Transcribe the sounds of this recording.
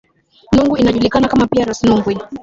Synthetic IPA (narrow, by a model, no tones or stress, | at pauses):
nuŋɡuinaʄulikanakamapiaɾasinuŋɡwi